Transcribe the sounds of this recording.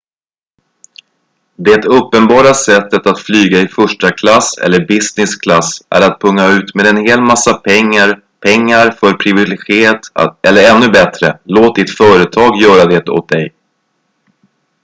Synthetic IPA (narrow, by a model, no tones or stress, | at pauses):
d̪ɛt̪ɵpːənbɑːɾasɛt̪ːət̪at̪flyːɡaɪfœʂʈakʰlasɛ̰lːəɾbɪsnɪskʰlasʔæ̰ɾat̪̚pʰɵŋːaʉ̟ːt̪meːd̪ɛnheːlmasːapʰɛŋːaɾ | pʰɛŋːaɾfœɾpʰɾɪvɪlɡɪeːt̪ʔɛlːəɾɛnːɵbɛt̪ɾə̰loːt̪̚d̪ɪt̪fœːɾət̪ʰɑːɡjœːɾad̪ɛt̪o̰t̪̚d̪ɛj